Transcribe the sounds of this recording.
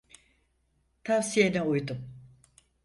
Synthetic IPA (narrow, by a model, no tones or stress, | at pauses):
t̪ʰavsijenɛujd̪um